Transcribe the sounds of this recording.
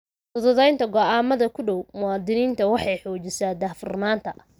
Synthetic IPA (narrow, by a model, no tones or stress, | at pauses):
t̪ʊðʊðɛjnt̪ʰɐɡɔʔaːmɐðɐkʰʊɖɔwmʊwɑːd̪ɪniːnt̪ʰɐwɑħɑjħɔːt͡ʃɪsaːd̪ɐhfʊ̰rnaːnt̪ʰɐ̰